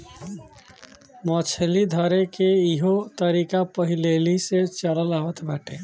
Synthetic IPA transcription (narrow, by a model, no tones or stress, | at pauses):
mɔ̃ːt͡ʃʰelid̪ʱɔɾekeɪɦot̪əɾiːkapəɦileːliset͡ʃələlaːʋət̪ʰbaːʈʰe